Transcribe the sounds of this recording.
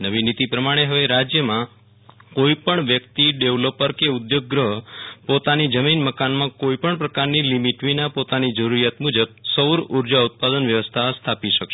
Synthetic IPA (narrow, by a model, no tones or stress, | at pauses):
nəʋinit̪ipɾəmaɽ̃eɦəʋeɾad͡ʒjəmã | koipəɳʋjək̚t̪iɖeʋlopəɾkeud̪joɡ̚ːɾəɦpot̪anid͡ʒəminməkanmãkoipəɳpɾəkaɾnilimiʈʋinapot̪anid͡ʒəɾuɾijat̪mud͡ʒəb̚səɾuɾd͡ʒaut̪̚pad̪ənʋjəʋəst̪ʰast̪ʰapiʃəkʃe